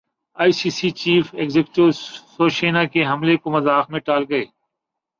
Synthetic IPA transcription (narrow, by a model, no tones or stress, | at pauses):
aːisiːsiːt͡ʃiːfeɡzekʈosoːʃeːnaːkeɦɐmlekomɐzaːxmẽʈaːlɡɐeː